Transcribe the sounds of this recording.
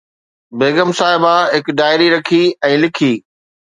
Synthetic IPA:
beːɡəmsaːɦɪbaɦɪkɖaːɪɾiɾɐkʰiɛ̃ːlɪkʰiː

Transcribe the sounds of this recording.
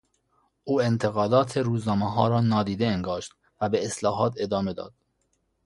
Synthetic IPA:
ʔuːent̪ʰeɣɒːd̪ɒːt̪ʰeɾuːznɒːmeɦɒ̰ːɾɒːnɒːd̪iːd̪eeŋɡɒːʃt̪̚ | væbeːslɒːɦɒːt̪ʰe̞d̪ɒːme̞d̪ɒ̰ːd̪̥

